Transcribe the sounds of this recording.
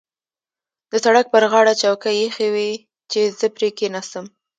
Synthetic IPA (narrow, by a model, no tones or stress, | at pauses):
d̪əsaɽak̚pəɾɣɑɽat͡ʃawkajexewi | t͡ʃezəpɾekenasəm